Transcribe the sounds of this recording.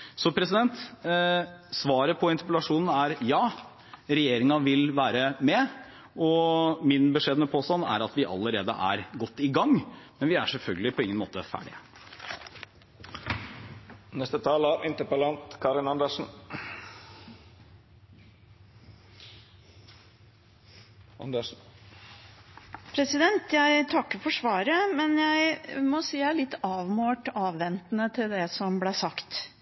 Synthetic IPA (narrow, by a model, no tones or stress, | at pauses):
sɔpʰɾɛsɪd̪ɛnt̪ | sʋɑːɾəpʰɔɪnt̪əpəlɑʂuːnn̩æɾjɑː | ɾɛjeːɾɪŋɑʋɪlʋæːɾəmɛ | ɔmɪnbəʂeːd̪mɛpʰoːst̪ɑnæ̰ɾɑt̪ʋɪʔɑ̰lːəɾeːd̪ə̰ʔæ̰ɾɡɔt̪ːɪɡɑŋmɛnʋɪæ̰ʂɛlfœlɡəlɪpʰɔɪŋənmo̰ːt̪əfæ̰ːɖɪ̰ | nɛst̪ət̪ʰɑːləɾɪnt̪əpəlɑnt̪kʰɑɾɪnɑnd̪əʂn̩ | nd̪ə | pʰɾɛsɪd̪ɛnt̪ʰjæɪt̪ʰɑkːəfɔʂʋɑːɾəmɛnjæɪmɔsiːjæɪlɪt̪ːɑːʋmoːʈɑːʋʋɛnt̪nət̪ʰɪld̪ɛsɔmblæsɑkt̪